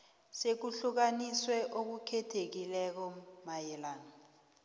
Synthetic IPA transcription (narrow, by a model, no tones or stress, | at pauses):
sek̬uɬuk̬aniswɛʔok̬ukʰɛtʰek̬ilɛk̬ɔmajɛlan